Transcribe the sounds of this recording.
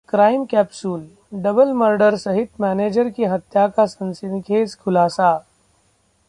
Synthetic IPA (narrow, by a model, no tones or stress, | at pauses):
kɾaːɪmkɛːpsuːl | ɖɐbəlməɾɖəɾsɐɦɪt̪mɛːneːd͡ʒəɾkiɦɐt̪jakasɐ̃nsɪnkʰeːskʰʊlaːsa